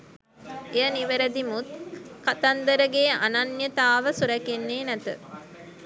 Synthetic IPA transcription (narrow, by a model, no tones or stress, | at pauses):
ejɐniʋeɾəd̪imut̪̚kat̪ɐnd̪əɾəɡeːa̰nanjət̪aːʋəsuɾɐkenːeːnæt̪ə̰